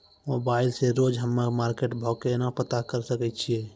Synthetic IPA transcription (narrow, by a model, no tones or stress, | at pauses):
mobaɪilseɾod͡ʒɦəmːamaːɾkeʈbʱɔkenapət̪akəɾsəkɛt̪t͡ʃʰie